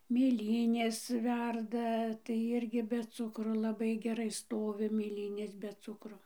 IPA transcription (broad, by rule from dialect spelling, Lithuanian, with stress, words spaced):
mʲeːˈlʲiːnʲeːs ˈʋʲɛrdɐ tɐɪ ˈɪrʲɡʲɪ bʲɛ ˈt͡sʊkroː lˠɐˈbɐɪ ɡʲɛˈrɐɪ ˈstoːʋʲɪ mʲeːˈlʲiːnʲeːs bʲɛ ˈt͡sʊkroː